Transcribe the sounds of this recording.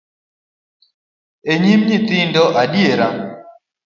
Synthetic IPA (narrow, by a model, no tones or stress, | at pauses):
eɲimɲit̪ɪndɔʔaɗieɾa